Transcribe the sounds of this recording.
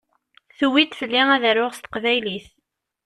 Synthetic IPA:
θuwit̪fəlːiæðəɾʊʁst̪ə̥qvæjliθ

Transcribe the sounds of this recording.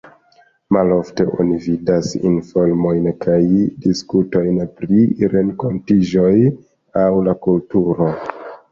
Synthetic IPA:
malo̞fte̞ʔo̰nividasḭnfo̞ɾmo̞jnkajdiskuto̞jnpɾiɾe̞nko̞ntid͡ʒo̞j | awlakultuɾo̞

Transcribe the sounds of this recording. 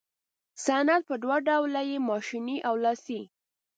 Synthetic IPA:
sanat̪̚pəd̪waɖawlajemɑʃiniʔawlɑsi

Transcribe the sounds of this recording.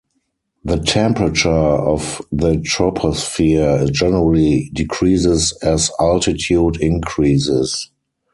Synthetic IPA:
ðətʰɛ̃mpɹət͡ʃə˞ɔfðətʰɹɔpʰɔsfid͡ʒɛnəɹəlidɪkʰɹiːzɪsɛzaltɪtʰjuːdɪ̃nkʰɹiːsɪs

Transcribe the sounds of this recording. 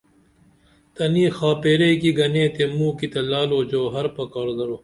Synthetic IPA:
t̪ɐniːxaːpeːɾekiɡɐnẽːt̪emũːkit̪ɐlaːloːd͡ʑoːɦɐɾpɐkaːɾd̪ɐɾoː

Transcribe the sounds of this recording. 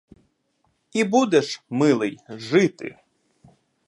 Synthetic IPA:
ibud̪ɛʃmɪlˠɪjʒɪt̪ɪ̰

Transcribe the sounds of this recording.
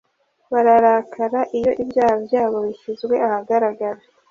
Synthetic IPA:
βaɾaɾaːkʰaɾaʔijo̞ʔibjaːhabjaːβo̞βiçizɡwe̞ahaɡaɾaɡaɾa

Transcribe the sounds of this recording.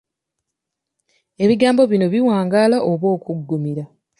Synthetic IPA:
e̞βiɡaːmbo̞βino̞βiwaːŋɡalaʔoβo̞ːkuɡːumiɾa

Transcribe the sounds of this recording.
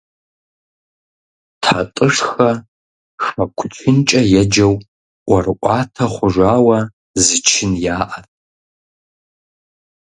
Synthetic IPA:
tʰatʼɨʂxɐ | ʂɐkʷʰt͡ʃʰɪnt͡ʃʼɐjɛd͡ʒɐwʷ | ɐrɨʔʷʼɑːtʰɐχʷʊʐʷaːwɐ | zɨt͡ʃʰɪnjaːʔɐtʼ

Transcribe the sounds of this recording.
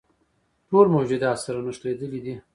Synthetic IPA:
ʈoɾmod͡ʒɪd̪ɑːt̪saɾanəʂt̪ɾed̪əlid̪i

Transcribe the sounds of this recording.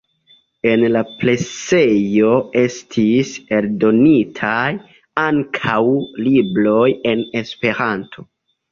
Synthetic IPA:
e̞nlaple̞t͡se̞jo̞e̞stʰise̞ɾdo̞nitʰaj | aŋkʰawlibɾo̞je̞ne̞spe̞ɾantʰo

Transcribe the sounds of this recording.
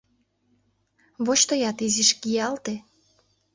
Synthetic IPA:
βot͡ɕt̪ojɑt̪iziʃɡiɑlt̪e

